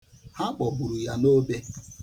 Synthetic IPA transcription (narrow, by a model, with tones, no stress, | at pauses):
ha˦k͡pɔ˨bu˨ɾu˨ja˦no˦be˦